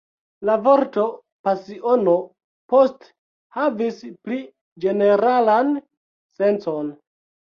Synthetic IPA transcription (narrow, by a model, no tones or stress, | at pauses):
lavo̞ɾto̞ | pasiʔo̞no̞ | post | havispɾi | d͡ʒe̞ne̞ɾalan | se̞nt͡so̞n